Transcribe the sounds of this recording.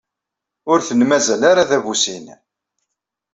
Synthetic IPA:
ʊɾθənmæzælaɾaðævusin

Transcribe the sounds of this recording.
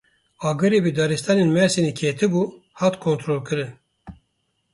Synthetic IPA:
ɑːɡɨɾeːbid̪ɑːɾist̪ɑːneːnmɛɾsinikʰeːt̪ʰɨbuːhɑːt̪kʰont̪ɾoːlkɨɾɨn

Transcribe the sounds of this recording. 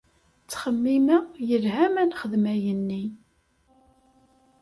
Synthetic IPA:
t͡sːχəmːimæjəlhæmænχəðmæjənːi

